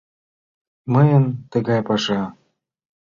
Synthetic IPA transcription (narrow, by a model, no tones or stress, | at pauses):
məjə̆nt̪ə̆ɣɑjpɑʃɑ